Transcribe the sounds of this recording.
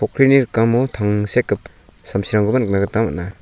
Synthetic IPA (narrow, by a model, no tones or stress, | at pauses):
ɔkʰɾiniɾkamɔtʰaŋsekːɯp | samsiɾaŋɡɯbanɯk̚naɡɯtama̰na